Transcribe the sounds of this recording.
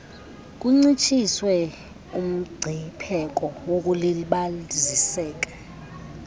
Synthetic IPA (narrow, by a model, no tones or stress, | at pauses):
k̬ʼuŋ͡ǀit͡ʃʰʼiswɛ | um̩ɡ͡ǀʱipʰɛk̬ʼɔwok̬ʼuleliɓazisɛːk̬ʼḁ